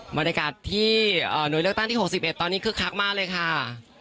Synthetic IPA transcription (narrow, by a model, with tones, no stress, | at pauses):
ba˧nja˧kaː˨˩t̪ʰːiː˥˩ʔəː˨˩nu˨˦jlɯ˥ək̚t̪a˥ŋt̪ʰiː˥˩o˨˩si˨˩p̚ʔe˨˩t̪ːɔː˧ni˦˥kʰɯː˧˥kʰa˦˥k̚maː˥˩k̚lɤː˧jkʰa˥˩